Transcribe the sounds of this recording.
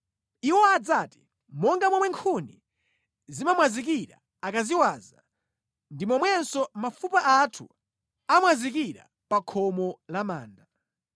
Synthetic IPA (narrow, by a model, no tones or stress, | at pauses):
iwɔad͡zati̥ | mɔŋɡamwɔmwɛŋkʰuni | zimamwazik̬iɾa̰ː | kaziwaːza | ndimɔmwɛnsɔmafupaʔatʰṵ | amwazik̬iɾa̰ | pakʰɔmɔlama̰ːnda